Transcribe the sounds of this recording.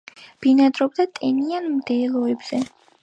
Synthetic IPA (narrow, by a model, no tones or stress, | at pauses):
b̥inad̪ɾɔb̚d̪at̪ʼɛnianmd̪ɛːlˠɔɛbz̥ɛ